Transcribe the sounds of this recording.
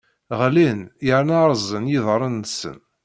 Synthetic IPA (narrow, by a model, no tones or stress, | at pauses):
ʁlinjəɾnɑɾˤzˤənjiðˤɾˤənːsə̰n